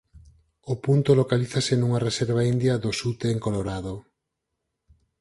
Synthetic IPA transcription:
opunt̪olokaliθasenuŋareseɾβ̞aind̪jɐðosut̪eːŋkoloɾaðo

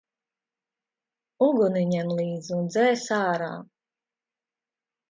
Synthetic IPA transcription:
uɡuniɲɛmlˠiːd̪zund̪zɛːsaːɾa̰ː

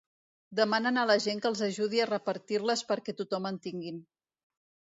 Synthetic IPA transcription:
d̪əmanənələʒeŋkəlˠzəʒuð̞iərəpəɾt̪irləspəɾkɛt̪ut̪ɔmənt̪iŋɡin

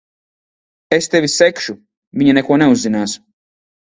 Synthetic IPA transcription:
ɛst̪eʋisɛkʃu | miɲɛnɛkonɛuzinas

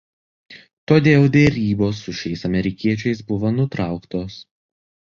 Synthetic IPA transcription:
t̪oːd̪ʲeːlˠd̪ʲeɾʲiːboːsːʊʃʲɛɪsɐmʲɛɾʲɪkʲiɛt͡ʃʲɛɪsbʊʋoːnʊt̪ɾɑˑʊkt̪oːs

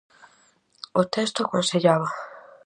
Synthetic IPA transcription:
ot̪ɛst̪okõnseʎaβa

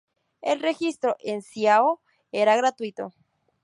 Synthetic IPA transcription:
elre̞xist̪ɾoʔensjao | e̞ɾaɣɾat̪wit̪o̞̰

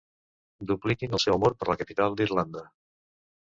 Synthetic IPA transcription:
d̪uplikinəlˠsɛwəmoɾpəɾləkəpit̪alˠd̪irland̪ə

